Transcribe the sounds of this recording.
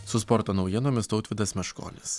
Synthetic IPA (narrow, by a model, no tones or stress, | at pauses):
sʊspɔɾt̪oːnɒʊjiɛnoːmʲɪst̪ɔʊt̪ʋʲɪd̪ɐsmʲɛʃko̰ːlʲɪs